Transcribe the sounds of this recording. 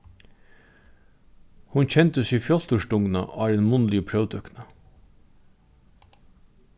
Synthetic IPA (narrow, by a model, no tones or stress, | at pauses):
hʊnc͡çɛnt̪əsiːfjɔl̥t̪ʊʃʈʊŋnɑ̰ʔɑːɾɛnmʊnliːpʰɾœʋd̪œknɑ